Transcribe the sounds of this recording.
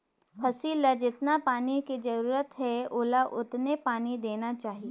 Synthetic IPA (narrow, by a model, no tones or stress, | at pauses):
fʰɐsiːlad͡ʒɪt̪napaːnikid͡ʒɐɾuːɾət̪ɦɛoːlaʔʊt̪nepaːnid̪eːnat͡ʃaːɦie